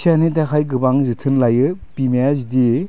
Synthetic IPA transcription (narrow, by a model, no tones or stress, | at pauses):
sʰianidakʰajɡɯbaŋzɯtʰɯnlajɯpimejazidi